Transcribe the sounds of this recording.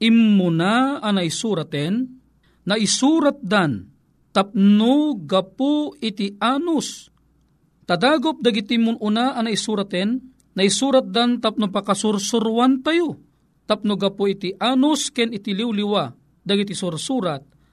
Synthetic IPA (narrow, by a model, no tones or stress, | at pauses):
imːʊnaanaisuːɾat̪ɛnː | aʔɪsuːɾat̪̚d̪an | t̪ap̚nʊɡapʊɪt̪ɪʔaːnʊs | t̪ad̪aːɡop̚d̪ɐɡit̪imʊʔʊnaʔanaisuːɾat̪ɛnː | aisuːɾat̪̚d̪ant̪ap̚nʊpakasʊɾsʊɾwant̪ajʊ | t̪ap̚nʊɡapʊit̪iʔaːnʊskɛnɪt̪iliwliwa | d̪aɡit̪isʊɾsuːɾat̪̚